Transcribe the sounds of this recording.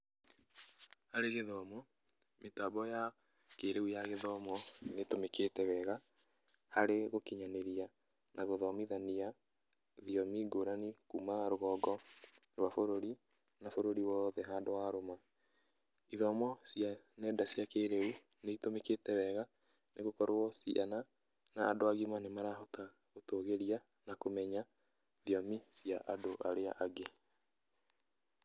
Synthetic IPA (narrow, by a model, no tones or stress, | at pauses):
haɾeɣeðɔmɔ | metabɔja | keɾeujaɣeðɔmɔnetomeketɛwɛɣa | haɾeɣokiɲaneɾia | naɣoðɔmiðania | ðiɔmiɡoɾanikumaɾoɣɔɡɔɾwafoɾoɾi | nafoɾoɾiwɔːðɛɦaːdowaɾoma | iðɔmɔsja | nɛdasjakeɾeu | neitomeketɛwɛɣa | nʔeɣokɔɾwɔsia̰na | naːdoaɣimanemaɾaɦɔta | ɣotoːɣeɾia | nakomɛɲa | ðiɔmisiaʔadoʔaɾea̰ʔaɡe